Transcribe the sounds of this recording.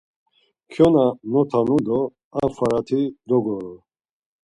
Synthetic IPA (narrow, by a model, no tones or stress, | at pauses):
kʰjɔnanɔt̪ʰanud̪ɔ | afaɾat̪ʰid̪ɔɡɔɾɔ